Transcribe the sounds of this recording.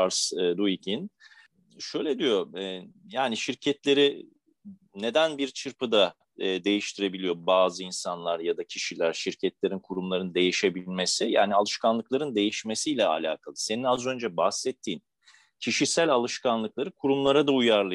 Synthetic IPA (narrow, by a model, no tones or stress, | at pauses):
aɾsd̪uicʰin | ʃø̞jlʲɛd̪ijo̞ɛːjaːniʃiɾcʰɛt̪lʲe̞ɾi | ne̞d̪ænbiɾt͡ʃʰɯɾpɯd̪a | d̪e̞jiʃt̪ʰiɾe̞bilʲijobaːzɯinsanlˠaɾjad̪acʰiʃilʲæɾʃiɾcʰɛt̪lʲe̞ɾinkʰuɾumlˠaɾɯnd̪e̞jiʃe̞bilʲme̞sija̰ːnialˠɯʃkanlˠɯklˠaɾɯnd̪e̞jiʃmesijlʲɛa̰lʲa̰ːkʰalˠɯse̞ninazø̞nd͡ʒɛbahsɛt̪ʰːiːn | cʰiʃisælʲalˠɯʃkanlˠɯklˠaɾɯkʰuɾumlˠaɾad̪aujaɾlˠa